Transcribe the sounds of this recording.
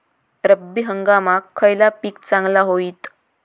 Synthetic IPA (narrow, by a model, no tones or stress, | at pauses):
ɾəbːiɦəŋɡamakʰːəjlapiːk̚t͡sãŋɡlaɦoiːt̪